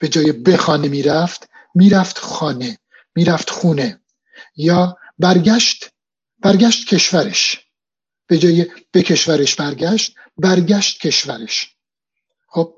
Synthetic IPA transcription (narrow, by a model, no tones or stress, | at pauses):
b̥e̞d͡ʒɒːjebe̞xɒːnemiːɾæft̪ | miːɾæft̪xɒːne̞ | miːɾæft̪xuːne̞ | jɒː | bæɾɡæʃt̪ | b̥æɾɡæːʃt̪̚cʰe̞ʃvæɾeʃ | b̥e̞d͡ʒɒːjeb̥e̞cʰe̞ʃvæɾeʃbæɾɡæʃt̪̚ | bæɾɟæʃt̪̚cʰe̞ʃvæɾeʃ | xob̥̚